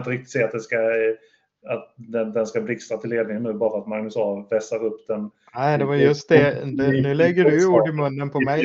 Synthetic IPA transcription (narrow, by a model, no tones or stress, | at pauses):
nt̪əɾɪk̚t̪ɪ̥t̪seːat̪d̪ɛnska | at̪d̪ɛnd̪ɛnskablɪkst̪at̪ʰɪlːeːd̪nɪŋənːʉ̟ːbɑːɾaat̪maŋnɵsɑːvvɛsaɾɵpːd̪̥ɛn | næɪd̪ɛvajjɵst̪̚d̪ɛnːnʉ̟ːlɛɡːəɖɵjuːɖɪmɵnːənpʰɔmɛj